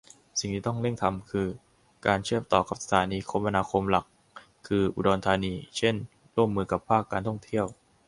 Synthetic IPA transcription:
si˨˩ŋt̪ʰiː˥˩t̪ɔ˥˩ŋle˥˩ŋt̪ʰa˧mkʰɯː˧ | kaː˧nt͡ɕʰɯ˥˩əmt̪ɔː˨˩ka˨˩p̚sa˧˩t̪ʰaː˩˦niː˧kʰo˧˥mʔa˧naː˧kʰo˧mla˨˩kʰː | ɯː˧ʔṵ˨˩dɔː˧nt̪ʰaː˧niː˧t͡ɕʰe˥˩n | ɾu˥˩əmːɯː˧ka˨˩pʰːaː˥˩kːaː˧nt̪ʰɔ˥˩ŋt̪ʰi˥˩əw

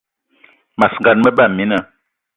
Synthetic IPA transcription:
ma˨sŋ˨ɡa˨nmə˦ba˦˨mi˨˦na˨

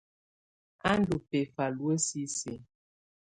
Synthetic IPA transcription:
a˦n˦du˨pe˨fa˨lwe˦si˦se˨

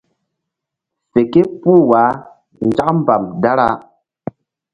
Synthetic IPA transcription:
fe˨ke˦pu˦wa˨˦ | n̩˨d͡ʒa˦km˦ba˨mda˦ɾa˦

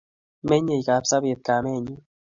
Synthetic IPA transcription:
me˦ɲe˨jka˨psa˦be˨t̪̚ka˨me˦˨ɲu˦

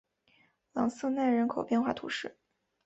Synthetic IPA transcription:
lɑ̰˧˥ŋs̩˥˧na˥˩nɻə˧˥nkʰo˨ʊpjɛ˥˧nxwa̰˥˩t̪ʰṵ˧˥ʂɻ̩˥˩

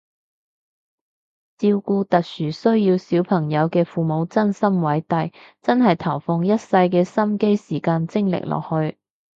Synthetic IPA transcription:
t͡siː˧wkuː˧t̪ɐ˨k̚syː˨˩sɵ˥ɥjiː˧wsiː˨˥wpʰɐ˨˩ŋjɐ˨˧wkɛː˧fuː˨mo˨˧˥wt͡sɐ˥nsɐ˥mwɐ˨˥jt̪ɐ˨jt͡sɐ˥nɦɐ˨jt̪ʰɐ˨˩wfʊ˧ŋjɐ˥t̚sɐ˧jkɛː˧sɐ˥mke˥jsiː˨˩kaː˧nt͡sɪ˥ŋlɪ̰˨k̚lɔ̰ː˨k̚hɵ˧ɥ

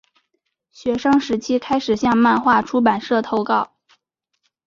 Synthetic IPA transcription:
ɕɥɛ˧˥ʂɑ˥ŋʂɻ̩˧˥t͡ɕʰi˥kʰa˥ɪʂɻ̩˨˩ɕjɑ˥˧ŋma˥˧nxwa˥˩ʈ͡ʂʰu˥p̬a˨˩nʂɤ˥˩t̪ʰo˥˧ʊkɑ˥˩ʊ

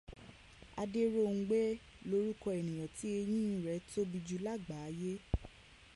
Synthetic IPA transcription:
a̰˧de˦ɾo˦˨ŋ̩˦ɡ͡be˦ | lo˦ɾu˦kɔ˧e˨nĩ˨j̃ɔ̃˨ti˨˦e˧j̃ĩ˦ĩ˦ɾɛ˨˦to˦bi˧d͡ʒu˧la˦˨ɡ͡ba˨˦je˦

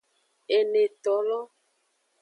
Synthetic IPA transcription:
e˨ne˨t̪ɔ˨˦lɔ˦

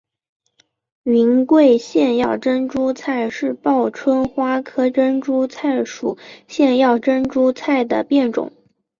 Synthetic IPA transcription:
i˧˥nkwe˥˧ɪɕjɛ˥˧njɑ˥˩ʊʈ͡ʂə˥nʈ͡ʂu˥t͡sʰa˥˧ɪʂɻ̩˥˧pɑ˥˩ʊʈ͡ʂʰwə˥nxwa˥kʰɤ˥ʈ͡ʂə˥nʈ͡ʂu˥t͡sʰa˥˩ɪʂu˨˩ɕjɛ˥˧njɑ˥˩ʊʈ͡ʂə˥nʈ͡ʂu˥t͡sʰa˥˩ɪd̪ə˩pjɛ˥˩nʈ͡ʂʊ̰˨˩˦ŋ

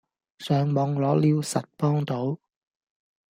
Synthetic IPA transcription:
sœː˨ŋmɔː˨˧ŋlɔː˨˥liː˨˧wsɐ˨t̚pɔː˥ŋt̪o˨˥w

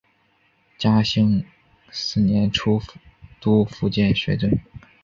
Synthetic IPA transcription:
t͡ɕja˥ɕi˥ŋ | sɹ̩˥˩njɛ˧˥nʈ͡ʂʰu˥t̪u˥fu˧˥t͡ɕjɛ˥˩nɕɥɛ˧˥t̪wə˥˩n

